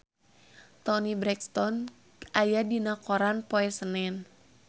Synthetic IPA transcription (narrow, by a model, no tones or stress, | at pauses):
t̪ɔnibɾɛkst̪ɔn | ʔajadinakoɾanpoɛsənɛn